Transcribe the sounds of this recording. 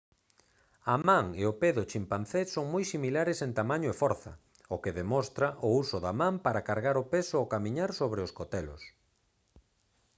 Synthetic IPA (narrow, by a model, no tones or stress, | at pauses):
ɐmãŋeopeðʊt͡ʃimpanθesoŋmojsimilaɾɪsent̪amaɲʊefɔɾθɐ̰ | okeðemɔst̪ɾaʔʊusʊðamãmpaɾakaɾɣaɾʊpesʊokamiɲaɾsoβɾeoskot̪ɛlʊ̰s